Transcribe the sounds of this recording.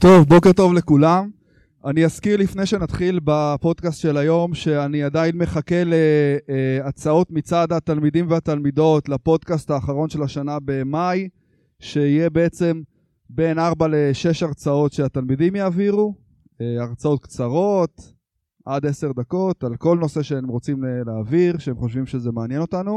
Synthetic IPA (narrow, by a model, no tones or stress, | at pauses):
t̪o̞vbo̞keʁt̪o̞vle̞kulam | anijaskiʁlifne̞jʃe̞nat̪χilbapo̞d̪kast̪ʃelajo̞mʃe̞aniad̪ainme̞χake̞le | aʁt͡sao̞t̪mit͡sad̪hat̪almid̪imveat̪almido̞tlapo̞d̪kast̪aːχaʁo̞nʃelaʃanabe̞maj | ʃe̞ijebe̞et͡se̞m | be̞naʁbaleʃe̞ʃaʁt͡sao̞tʃeat̪almid̪imjaːviʁu | eaʁt͡sao̞t̪̚kt͡saʁo̞t̪ | ʔad̪e̞se̞ʁd̪ako̞t̪alko̞lno̞se̞ʃeemʁo̞t͡simleleːviʁʃeemχo̞ʃvimʃe̞zemeanjeno̞tanu